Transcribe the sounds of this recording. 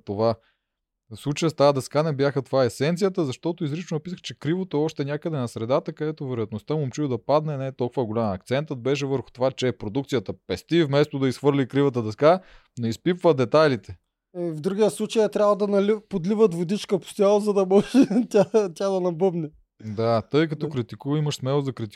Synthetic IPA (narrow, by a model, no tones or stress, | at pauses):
t̪ova | fslˠut͡ʃəjəst̪ad̪ɐskanɛbjaxət̪ovaɛsɛnt̪sijət̪əzɐʃt̪ɔt̪oizɾit͡ʃnoɐpisəxt͡ʃɛkɾivot̪oɔʃt̪ɛnʲakəd̪ɛnɐsɾɛd̪at̪əkɐd̪ɛt̪ovɛɾojəɐt̪nost̪əmʊmt͡ʃud̪ɐpad̪nɛnɛːt̪ɔlˠkʊvəɡolʲamɐk̚t̪sɛnt̪ət̪̚bɛʃ̬ɛvəɾxʊ̥t̪ovat͡ʃɛːpɾod̪ukt̪sijət̪əpɛst̪ifmɛst̪od̪ɐisxvɤɾlʲikɾivət̪əd̪ɐska | noispipvəd̪ɛt̪ajlit̪ɛ | vd̪ɾuɡʲiəslˠut͡ʃəjɛt̪ɾʲabvlˠəd̪ɐnɐlipod̪livət̪vod̪it͡ʃkəpo̥st̪ʲjalˠozɐd̪ɐmɔʒɛt̪ʲat̪ʲad̪ɐnɐbɤbnɛ | d̪at̪ɤjkɐt̪ɔkɾit̪ikuvimɐʃsmɛlˠozɐkɾit̪i̥